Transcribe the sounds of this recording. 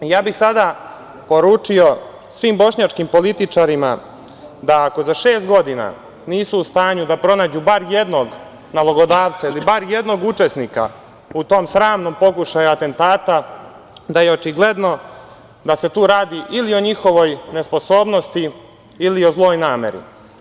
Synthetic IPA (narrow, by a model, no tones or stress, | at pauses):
jaːbixsad̪a | po̞ɾuːt͡ʂio̞ | sʋiːmbo̞ʃɲat͡ʂkimpo̞lit̪it͡ʂaɾima | d̪aːko̞zaʃe̞ːst̪̚ɡo̞d̪ina̰ | niːsuːst̪aːɲud̪apɾo̞naːd͡ʑubaɾje̞d̪no̞ɡ | naloɡo̞d̪aːʋt̪sailibaɾje̞d̪no̞ɡut͡ʂe̞sniːka̰ | ut̪o̞ːmsɾaːmno̞ːmpo̞kuʃajuat̪e̞nt̪aːt̪a | d̪aje̞o̞t͡ʃiɡle̞d̪no̞ | d̪ase̞t̪uːɾaːd̪iʔilio̞ɲixo̞ʋo̞jne̞spo̞so̞ːbno̞st̪iː | lio̞zlˠo̞ːjnaːme̞̰ɾḭ